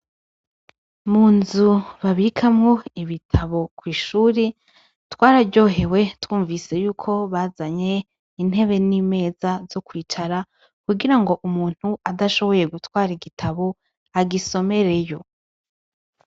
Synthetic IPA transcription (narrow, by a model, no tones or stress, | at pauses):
muːnzuβaβikʰamŋo̞iβitʰaβo̞kwiːʃuːɾi | twaːɾaɟo̞ːɦe̞we̞twuːɱvise̞juːkʰo̞βazaɲe̞ | in̥he̞βe̞nime̞ːzazo̞kwiːt͡ʃaɾa | kuɡiɾaŋɡo̞ʔumuːn̥huadaʃo̞βo̞je̞ɡutwaːɾiɡitʰaβo̞ | aɡiso̞me̞ɾe̞jo̞